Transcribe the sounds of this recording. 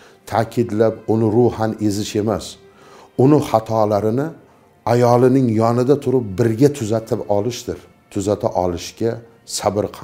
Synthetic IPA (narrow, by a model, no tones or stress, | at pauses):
t̪ʰakʲʰɪd̪lapʊnɪɾʊhane̞zɪʃe̞mas | ʊnɪχɑt̪ʰɒlaɾɪnɪ | ajɒlˠɪnɪŋjɒnɪd̪at̪ʰʊɾɪp̚bɪɾɡʲat̪ʰʊzat̪ʰɪpɒlɪʃd̪ɪɾ | t̪ʰʊzat̪ʰa̰ʔɒlˠɪʃɡʲa | sabɪɾqʰɑ